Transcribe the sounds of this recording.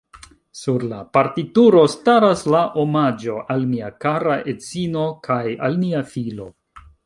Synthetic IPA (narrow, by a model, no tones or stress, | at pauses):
suɾlapaɾtituɾo̞staɾaslaʔomad͡ʒo̞ʔalmiakaɾaʔet͡sino̞kʰaja̰lmiafilo̞